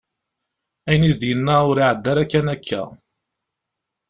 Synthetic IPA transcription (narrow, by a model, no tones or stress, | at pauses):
æjnisd̪jənːæʊɾiʕəd̪ːæɾækːænækʰːæ̰